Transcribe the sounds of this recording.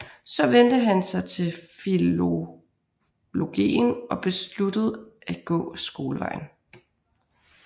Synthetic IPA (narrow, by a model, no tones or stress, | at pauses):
sɒ̽ʋend̥əɦænsɑ̈ɪt͡sʰe̝lfilo̝ | lo̝ɡ̥ḭːnʔɒ̽b̥e̝slud̥əð̞̩ˠæ̥ɡ̥ɔ̰̽ːsɡ̥o̝ːləʋɑ̈ɪ̰n̩